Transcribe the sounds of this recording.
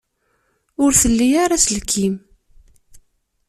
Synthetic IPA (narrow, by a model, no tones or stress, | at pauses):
ʊɾθəlːijaɾaslkʰːim